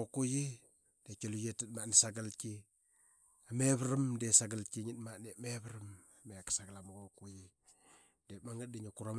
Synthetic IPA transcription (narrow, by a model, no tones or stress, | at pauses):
okuji | d̥ekolujetitmanisaɡalki | ameβɾamdesaɡalkiɲitmanemeβɾam | mekḁsaɡalamaɡokuji | demaŋat̚diɲakuɾam